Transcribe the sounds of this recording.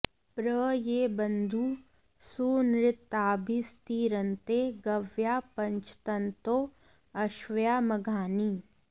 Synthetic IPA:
pɾəjeːbənd̪ʱuː | suːnɾɪt̪aːbʱist̪iːɾənt̪eɡɐʋjaːpɐɲt͡ʃʰt̪ɐnt̪oː | ɐʃʋjaːmɐɡʱaːniː

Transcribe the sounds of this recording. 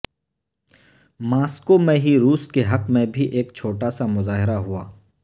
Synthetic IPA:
maːskomẽɦiɾuːskeɦɐqmẽbʱiʔeːkt͡ʃʰoːʈasamʊzaːɦɪɾaɦuaː

